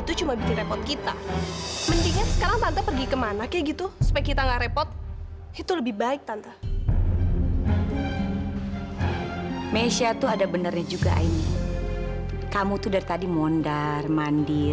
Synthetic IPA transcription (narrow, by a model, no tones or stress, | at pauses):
it̪ut͡ʃumabikɪnɾrepɔrt̪̚kit̪a | mənt̪iɲansə̥kaɾaŋp̪ant̪ajpərɡikəmanakaɡit̪usu̥pajkit̪aŋɡaɾepɔt̪̚ | it̪uləbɪhbaɪk̚t̪ant̪a | mesiat̪uadabənarɲad͡ʒuɡa̰ʔa̰ini | kamut̪udarit̪adimɔndarmandi